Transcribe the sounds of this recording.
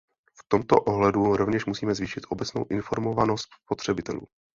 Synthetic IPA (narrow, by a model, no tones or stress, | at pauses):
ft̪o̞mt̪o̰ʔo̞ɦlɛduɾo̞vɲɛʃmusiːmɛzviːʃɪt̪ʔo̞bɛt͡sno̰wʔɪnfo̞ɾmo̞vano̞st̪spo̞t̪r̝̥ɛbɪt̪ɛ̰lṵː